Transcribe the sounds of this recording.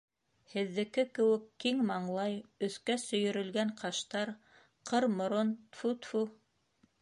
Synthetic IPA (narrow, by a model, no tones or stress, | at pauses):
hɘ̆ðːɘ̆kɘkɘ̆wɘ̆kːiŋmɑɴlˠɑjɵ̆θkæsɵ̆jɵ̆ɾɵ̆lɡæɴqɑʃt̪ɑɾ | qɤɾmŏɾont̪fut̪fu